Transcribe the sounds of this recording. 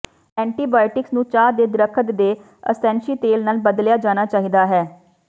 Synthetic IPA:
ɛ̃ːɳʈiːbaːɪʈɪksnũːt͡ʃaːd̪eːd̪ɪɾəkʰət̪d̪eː | ə̰sɛ̃ːnʃiːt̪eːlnaːlbəd̪ljaːd͡ʒaːnaːt͡ʃaːɦid̪aːɦɛː

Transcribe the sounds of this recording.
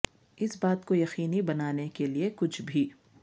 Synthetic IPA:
ɪsbaːt̪kojɐxiːnibɐnaːnekeliekʊt͡ʃʰbʱiː

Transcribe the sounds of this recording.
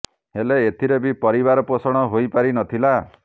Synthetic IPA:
ɦeleet̪ʰiɾebipɔɾibaɾɔposɔɽ̃ɔɦojpaɾinɔt̪ʰila

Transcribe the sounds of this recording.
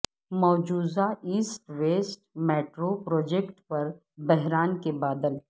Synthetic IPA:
mɔːd͡ʒuːzaiːsʈʋeːsʈmɛːʈɾopɾɔːd͡ʒekʈpɐɾ | bɛɦɾaːnkebaːd̪əl

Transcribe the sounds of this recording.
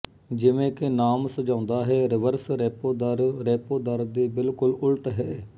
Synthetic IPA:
d͡ʒɪʋẽːkɪnaːmsəd͡ʒãːnd̪aːɦɛːɾɪʋəɾsɾɛːpoːd̪aɾɾɛːpoːd̪aɾd̪iːbɪlkʊlʊlʈɦɛː

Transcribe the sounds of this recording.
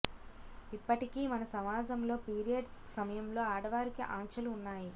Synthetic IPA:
ipːɐʈikiːmɐnɐsɐmaːd͡ʒɐmlo̞ːpiːɾijɐɖsɐmɐjɐmlo̞ːaːɽɐʋaːɾikiʔaːŋkʂɐluːnːaːji

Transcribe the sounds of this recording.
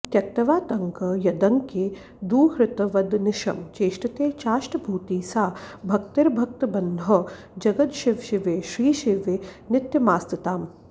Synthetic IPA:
t̪jɐk̚t̪ɐʋaːt̪ɐŋkɐjɐd̪ɐŋke | d̪uːɦɾɪt̪ɐʋɐd̪nɪʃɐ̰mt͡ʃeːʃʈɐt̪eːt͡ʃaːʃʈɐbʱuːt̪iːsaːbʱɐk̚t̪ɪɾbʱɐk̚t̪ɐbɐnd̪ʱɦɐ | d͡ʒɐɡɐt̪ʃɪʋʃɪʋeːʃɾiːʃɪʋenɪt̪jɐmaːst̪ɪt̪aːm

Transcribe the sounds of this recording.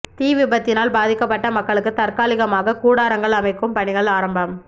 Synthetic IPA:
t̪iːʋɪbɐt̪ːɪnaːlbaːðɪkːɐpːɐʈːɐmɐkːɐɭɯkːɯt̪ɐrkaːlɪɣɐmaːɣɐkuːɽaːɾɐŋɡɐɭɐmɐɪkːɯmpɐɳɪɣɐɭaːɾɐmbɐm

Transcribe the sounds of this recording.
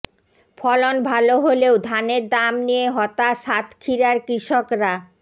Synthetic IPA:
fʰɔlonbʱaloɦoleod̪ʱaneɾd̪amnijeɦɔt̪aʃat̪kʰiɾaɾkɾiʃokɾa

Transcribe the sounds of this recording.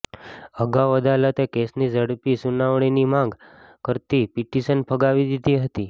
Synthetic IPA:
əɡaʋəd̪alət̪ekesnid͡ʒəɽpisunaʋɳ̃inimãŋɡ | kəɾt̪ipiʈiʃənpʰəɡaʋid̪id̪iɦət̪i

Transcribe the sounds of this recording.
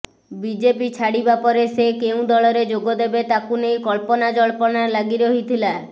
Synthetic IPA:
bid͡ʒepit͡ʃʰaɽibapɔɾesekeũd̪ɔɭɔɾed͡ʒoɡɔd̪ebet̪akunejkɔlpɔnad͡ʒɔɭpɔnalaɡiɾɔɦit̪ʰila

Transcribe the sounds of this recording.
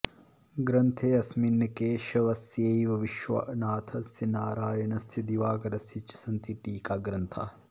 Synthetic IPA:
ɡɾɐnt̪ʰeːɐsminːɐkeːʃɐʋɐsjejiʋɐʋiʃʋɐ̰ʔɐnaːt̪ʰɐsɐnaːɾaːjɐɳɐsɐd̪iʋaːɡɐɾɐsit͡ʃːɐ̥sɐnt̪iʈiːkaːɡɾɐnt̪ʰa̰ː

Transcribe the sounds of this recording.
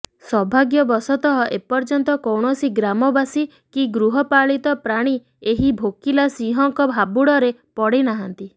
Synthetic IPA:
sɔbʱaɡjɔbɔsɔt̪ɔɦɔʔepɔɾd͡ʒɔnt̪ɔkɔwɳ̃ɔsiɡɾamɔbasi | kiɡɾuɦɔpaɭit̪ɔpɾaɽ̃i | eɦibʱokilasiɦɔŋkɔbʱabuɽɔɾepɔɽenaɦant̪i

